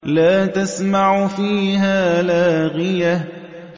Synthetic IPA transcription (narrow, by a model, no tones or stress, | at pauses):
laːt̪asmaʕfiːɦaːlaːɣɪja